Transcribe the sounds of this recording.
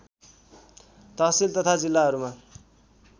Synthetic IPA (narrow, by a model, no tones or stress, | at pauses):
t̪ʌsilt̪ʌt̪ʰad͡zilːaɦʌɾuma